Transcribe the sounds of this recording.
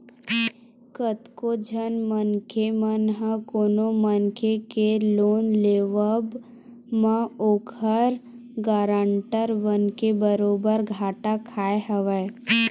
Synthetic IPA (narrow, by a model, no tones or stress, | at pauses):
kət̪kod͡ʒʱənmənkʰemənɦə̃koːnomənkʰekeloːnleːʋəb | mãoːkʰəɾ | ɡaːɾəɳʈəɾʋənkebəɾoːbəɾɡʱaːʈakʰaːeɦəʋɛː